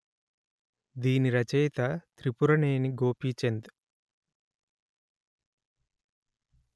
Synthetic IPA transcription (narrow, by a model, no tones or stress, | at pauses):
d̪iːniɾɐt͡ʃɛjt̪ɐt̪ɾipuɾɐneːniɡo̞ːpiːt͡ʃend̪i̥